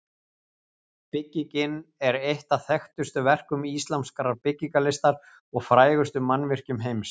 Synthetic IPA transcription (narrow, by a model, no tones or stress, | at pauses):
pɪcːicɪnɛɾejht̪aθɛxt̪ʏst̪ʏvɛr̥kʏmist̪lamskaɾaɾpɪcːikalɪst̪aɾ̥ | ɔɣfɾaːjɣʏst̪ʏmanːvɪr̥cʏmɦejms